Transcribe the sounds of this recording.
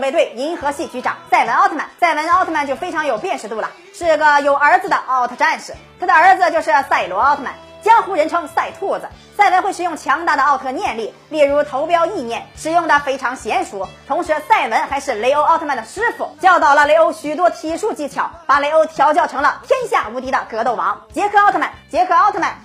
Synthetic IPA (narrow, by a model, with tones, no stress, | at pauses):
we˧ɪt̪we˥˩ɪi˧˥nxɤ˧˥ɕi˥˩t͡ɕy˧˥ʈ͡ʂɑ̰˨˩˦ŋsa˥˩ɪwə˧˥nɑ˥˧ʊt̪ʰə˥ma̰˨˧˩nsa˥˩ɪwə˧˥n˧˥˧t̪ʰə˥˩ma˧nt͡ɕo˥˩fe˥ɪʈ͡ʂʰɑ˧˥ŋjo˨˩ʊpjɛ˥˧nʂɻ̩˧t̪u˥˩lə̰˩ | ʂɻ̩˥˩˧ɡə˧jo˨˩ʊə˞˧˥d͡z̩˧d̪ə˩ʔɑ˥˩ʊt̪ʰə˧ʈ͡ʂa˥˧nʂɻ̩˧˩t̪ʰa˥d̪ə˨ə˞˧˥d͡z̩˧t͡ɕjo˥˧ʊʂɻ̩˥˧sa˥˩ɪlwɔ˧˥ɑ˥ʊt̪ʰə˥˩ma̰˨˩n | t͡ɕjɑ˥ŋxu˧˥ɻə˧˥nʈ͡ʂʰɤ˧˥ŋsa˥˩ɪt̪ʰɔ˥˩d͡zɹ̩˩ | sa˥˩ɪwə˧˥nxwɪʂɻ̩˩jʊ˥˩ŋt͡ɕʰjɑ˧˥ŋt̪a˥˩d̪ə˩ɑ˥˧ʊt̪ʰɤ˥˧njɛ˥˧nli˥˩ | li˥˩ɻu˧˥t̪ʰo˧˥ʊpjɑ˥ʊi˥˧njɛ˥˩nʂɻ̩˨˩jʊ˥˧ŋt̪ʰa˧˥fe˥ɪʈ͡ʂʰɑ˧˥ŋɕjɛ˧˥nʂu˧˥t̪ʰʊ˧˥ŋʂɻ̩˧˥sa˥˩ɪwə˧˥nxa˧˥ɪʂɻ̩˥˩le˧˥ɪo˥ʊɑ˥˧ʊt̪ʰma˥˩nd̪ə˩ʂɻ̩˥fu˨˩t͡ɕjɑ˥˧ʊt̪ɑ˥˩ʊlə˩le˧˥ɪo˥ʊɕy˨˩t̪̬wɔ˥t̪ʰi˧˥ʂu˥˧t͡ɕi˥˩t͡ɕʰjɑ˧˥ʊpa˨˩le˧˥ɪo˧˥ʊt̪ʰjɑ˧˥ʊt͡ɕjɑ˥˩ʊʈ͡ʂʰɤ˧˥ŋlə˧t̪ʰjɛ˥nɕja˥˩u˧˥t̪i˧˥d̪ə˧kɤ˧˥t̪o˥˩ʊwɑ̰˧˥ŋt͡ɕjɛ˧˥kʰɤ˧˥ɑ˥˧ʊt̪ʰə˧˩ma˨˩nt͡ɕjɛ˧˥kʰɤ˨˩ɑ˥˧t̪ʰə˥˩ma˥˩n